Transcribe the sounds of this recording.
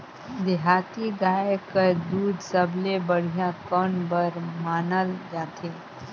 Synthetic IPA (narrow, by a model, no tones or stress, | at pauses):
d̪ɪɦaːt̪iɡaːekəd̪uːd̪səblebəɽ̤ijãkɔːnbəɾmaːnəld͡ʒaːt̪ʰe